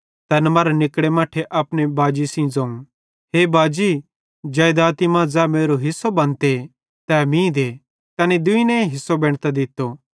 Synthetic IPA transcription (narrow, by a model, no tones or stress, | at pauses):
t̪ɛnmaːɾanɪkɽemaːʈʰeʔɐpnebaːd͡ʒisĩd͡zɐ̃ːũ | ɦeːbaːd͡ʒi | d͡ʒɛːd̪aːt̪imãːd͡zɛːmeːɾoɦɪsːobɐ̃nt̪e | t̪ɛmĩd̪e | t̪ɛːnid̪ʊinɛ̃ẽɦɪsːobɛ̃ːɽ̃t̪ad̪ɪt̪ːo